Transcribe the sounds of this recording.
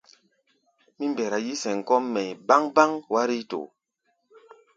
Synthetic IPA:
mi˦mbɛ˨ɾa˨ji˦sɛ˨ŋ˨kɔ˦mːɛ˨ba˦ŋba˦ŋwa˦ɾi˦to̰˨

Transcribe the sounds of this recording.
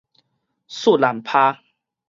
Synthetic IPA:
su˥˨la˨˩mpʰaː˦˧

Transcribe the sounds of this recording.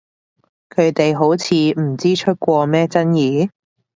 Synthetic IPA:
kʰɵ˨˧ɥt̪e˨jɦo˨˥wt͡sʰiː˨˧m̩˨˩t͡siː˥t͡ʃʰɵ˥t̚kʷɔː˧mɛː˥t͡sɐ˥njiː˨˧

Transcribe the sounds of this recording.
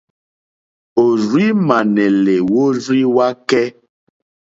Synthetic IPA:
o˨ɾi˦ma˨nɛ˨le˨wo˦ɾi˦wa˦kɛ˦

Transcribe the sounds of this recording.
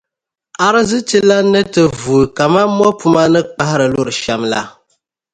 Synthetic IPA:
a˦ɾɨ˦zɨ˦t͡ʃi˦la˦nɨ˦tɨ˨vuː˨ka˨ma˦mɔ˦pu˦ma˦nɨ˦k͡pa˦hɪ˦ɾɨ˨lo˦ɾɨ˨ʃa˨mla̰˦

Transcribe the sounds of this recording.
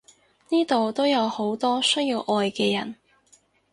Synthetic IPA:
niː˥t̪o˨wt̪o˥wjɐ˨˧who˨˥wt̪ɔː˥sɵ˥jiː˧wʔɔː˧jkɛː˧jɐ˨˩n

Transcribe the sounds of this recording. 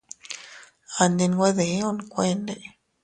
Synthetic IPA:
a˧nd̪i˧n˧ɡʷwe˦ðe˨˦o˦nkʷe˦˧nd̪e˧

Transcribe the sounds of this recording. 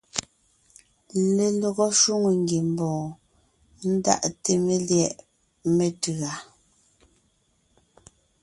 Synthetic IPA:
le˨lɔ˨ɣɔ˦ʃu˦ŋu˨ŋɡi˨m̩˨bɔː˨ | n̩˦da̰˦ʔte˨me˦ljɛ˦˨ʔ | me˨tʉ˨a˨

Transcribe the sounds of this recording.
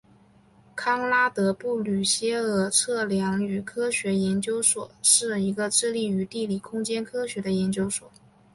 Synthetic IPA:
kʰɑ˥ŋla˥t̪ɤ˧˥pu˥˩ly˨˩ɕjɛ˥ɤ˥˩ʈ͡ʂʰɤ˥˩ljɑ˧˥ŋy˨˩kʰɤ˥ɕɥɛ˧˥jɛ˧˥nt͡ɕjo˥ʊʂwɔ̰˨˩˦ʂɻ̩˥˩i˧˥ɡə˧ʈ͡ʂɻ̩˥˧li˥˩y˧˥t̪i˥˩li˨˩kʰʊ˥ŋt͡ɕjɛ˥nkʰɤ˥ɕɥɛ˧˥d̪ə˧jɛ˧˥nt͡ɕjo˥ʊʂwɔ̰˨˩˦

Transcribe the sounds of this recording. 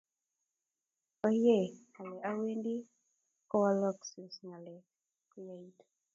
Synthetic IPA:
ɔ˦je˦˨a˨lɛ˨ʔa˦we˦ndi˦ | kɔ˦wa˦lɔ˦ksɪ˨sŋa˨lɛ˨ | kɔ˦ja˨i˦to̥˨

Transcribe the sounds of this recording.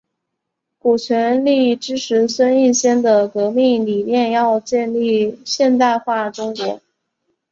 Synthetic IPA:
ku˨˩t͡ɕʰɥɛ˧˥nli˥˩ʈ͡ʂɻ̩˥ʈ͡ʂʰɻ̩˧˥swə˥ni˥˩˧ɕjɛ˥nd̪ə˨kɤ˧˥mi˥˩ŋli˨˩mjɛ˥˧njɑ˥˧ʊt͡ɕjɛ˥˧nli˥˩ɕjɛ˥˧nt̪a˥˧ɪxwa˥˩ʈ͡ʂʊ˥ŋkwɔ˧˥

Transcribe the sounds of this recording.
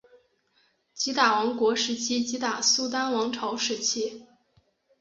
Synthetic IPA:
t͡ɕi˧˥t̪a˨˩wɑ˧˥ŋkwɔ˧˥ʂɻ̩˧˥t͡ɕʰi˥t͡ɕi˧˥t̪a˨˩su˥t̪a˥nwɑ˧˥ŋʈ͡ʂʰɑ˧˥ʊʂɻ̩˧˥t͡ɕʰi˥

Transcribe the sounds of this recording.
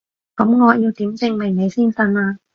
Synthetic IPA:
kɐ˨˥mŋɔː˨˧jiː˧wt̪iː˨˥mt͡sɪ˨˧ŋme˨˩ne˨˧jsiː˥nsɐ˧naː˧

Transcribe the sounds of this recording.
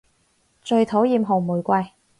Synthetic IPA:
t͡ʃɵ˧ɥt̪ʰo˨˥wjiː˨˧mɦo˨˩wmuː˨˩jkʷɐ˧j

